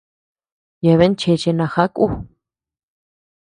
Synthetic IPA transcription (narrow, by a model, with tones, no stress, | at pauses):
je˧˨βe˦n˦t͡ʃe˧t͡ʃe˧nã˧xa˦kʼu˦